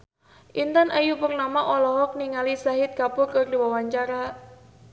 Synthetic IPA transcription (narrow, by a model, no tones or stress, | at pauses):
ʔint̪anʔajupərnamaʔɔlɔɦɔk̚niŋalisaɦɪt̪̚kapʊrkɨrdiwawaɲt͡ʃaɾa